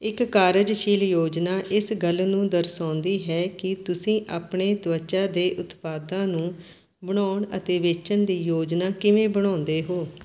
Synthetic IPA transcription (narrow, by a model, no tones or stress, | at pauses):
ɪkːaːɾəd͡ʒʃiːljoːd͡ʒnaːʔɪsɡəlnũːd̪əɾsãːnd̪iːɦɛːkɪt̪ʊsĩːʔaːpɳeːt̪ʋət͡ʃaːd̪eːʔʊt̪paːd̪ãːnũː | bəɽaːʊɳə̰t̪eːʋeːt͡ʃəɳd̪iːjoːd͡ʒnaːkɪʋẽːbəɽ̃ãːnd̪eːɦoː